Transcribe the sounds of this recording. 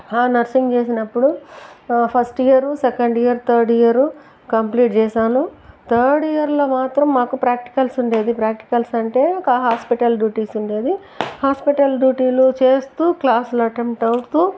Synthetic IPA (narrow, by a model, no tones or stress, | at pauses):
aːnɐɾsiŋɡt͡ʃe̞ːsinɐpːuɽu | pʰɐsʈijɐɾusekɐɳɖijɐɾt̪ʰɐːɾɖijɐɾu | kɐmpliːʈ̚t͡ʃɛːsaːnut̪ʰɐɾɖijɐɾloːmaːt̪ɾɐmːaːkupɾaːk̚ʈi̥kɐlsuɳɖe̞ːd̪ipɾaːk̚ʈi̥kɐlsɐɳʈe̞ːɔkɐɦaːspiʈɐlɖjuːʈiːsuɳɖe̞ːd̪i | haːspiʈɐlɖjuːʈiːlut͡ʃe̞ːst̪uːklaːsuluɐʈemʈɐwɾt̪uː